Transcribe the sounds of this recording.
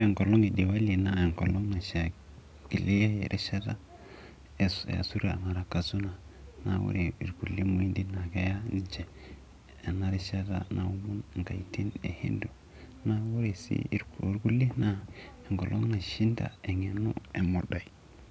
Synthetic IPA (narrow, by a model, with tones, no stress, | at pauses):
e˨ŋɡo˨lo˦ŋe˨di˨wa˦li˨na˦e˨ŋko˨lo˦ŋna˨ʃa˨ | ɡ̥i˨le˦ja˦jḛ˨ɾʔe˦ʃa˦ta˦ | e˨sa̰˨su˦ɾa̰˨ma˨ɾa˨ka˨su˦na˨na̰˨wṵ˦ɾe˨i˨ɾɡu˨li˦mu˨i˦ndi˦na˨ɡa˦ja˦˨t͡ʃeː˨ | na˦ɾe˦ʃa˦ta̰˦nʔa˨u˦mu˦n˨ŋka˨ti˦nḛ˨hḭ˦ndu˨ | na˦wu˦ɾe˨sḭ˦ɾu˦ɾɡu˦li˦na˦e˨ŋɡo˨lʔo˦ŋna˨ʃi˦nda̰˨e˨ŋe˨nṵ˦e˨mo˨do˨i˨